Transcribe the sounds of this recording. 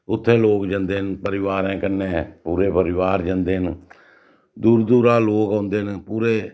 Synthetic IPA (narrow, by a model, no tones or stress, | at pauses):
ʊt̪ʰːẽːloːkd͡ʒə̃nd̪eːnpəɾɪʋaːɾɛ̃ːkənẽːpuːɾeːpəɾɪʋaːɾd͡ʒənd̪eːn | d̪uːɾd̪uːɾãːloːkaːnd̪eːnpuːɾeː